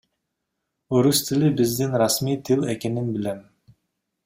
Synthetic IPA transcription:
oɾust̪ʰilibizd̪inɾasmijt̪ʰilˠeke̞ninbilem

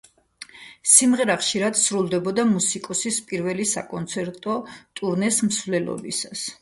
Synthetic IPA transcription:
simʁɛɾaχʃiɾad̪sɾulˠd̪ɛbɔd̪amusikʼɔsispʼiɾvɛlisa̰kʼɔnt̪sʰɛɾt̪ʼɔt̪ʼuɾnɛsmsvlɛlɔ̰bḭsas

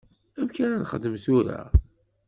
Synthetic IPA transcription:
æmkænænχəd̪ːəmθuɾa̰

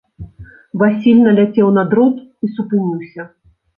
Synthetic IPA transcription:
vasʲilʲnɐlʲat͡sʲɛwnad̪ɾɔt̪isupɨnʲiwsʲɐ

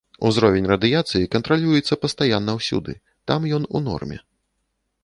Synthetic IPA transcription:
ṵzɾɔvʲɛnʲrɐd̪ɨjat̪sɨjikɐnt̪ɾalʲujɛt̪sːɐpɐst̪ajanːɐwsʲṵd̪ɨ̰ | t̪amjɔnunɔ̰rmʲɛ̰

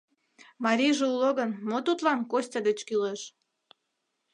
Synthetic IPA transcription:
mɑɾʲiʒeuloɣənmot̪ut̪lɑnkosʲtʲɑd̪et͡ɕkyleʃ

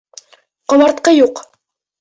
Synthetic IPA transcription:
qŏβɑɾt̪̚qɤjuq

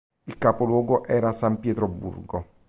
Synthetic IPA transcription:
ilkaːpolwɔːɡoʔɛːɾasampjɛːt̪ɾobːṵrɡo

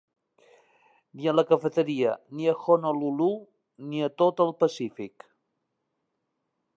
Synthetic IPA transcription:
niələkəfət̪əɾiə̰niəxonəlulu | niət̪ot̪əlˠpəsifik

